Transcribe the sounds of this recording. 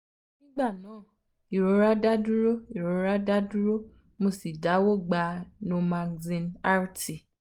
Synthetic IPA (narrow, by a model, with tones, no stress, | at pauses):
nĩ˦ɡ͡ba˦˨nãː˨˦˨ | i˨ɾo˧ɾa˦da˦du˦ɾo˦i˨ɾo˨ɾa˦da˦du˦ɾo˦ | mo˧si˨da˨˦wo˦˨ɡ͡ba˧nũ˧mã˧zĩ˧na˦ɾti˨